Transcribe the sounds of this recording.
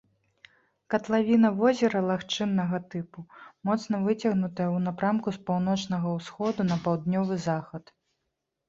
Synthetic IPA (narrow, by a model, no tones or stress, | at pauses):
kɐt̪lˠavʲinɐvɔzʲɛɾɐlˠaxt͡ʂɨnːɐɣɐt̪ɨpumɔt̪sn̪ɐvɨt͡sʲɐɣnut̪ɐjɛwnapɾamkuspawnɔt͡ʂnɐɣɐwsxɔd̪unɐpawd̪nʲɔvɨzaxɐt̪